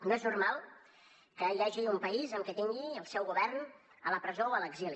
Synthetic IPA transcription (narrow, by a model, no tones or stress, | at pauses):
noɛzurmalˠ | kəʎaʒiumpəizəmkɛt̪iŋɡiəlˠsɛwɣuβɛrn | ələpɾəzowələɡzili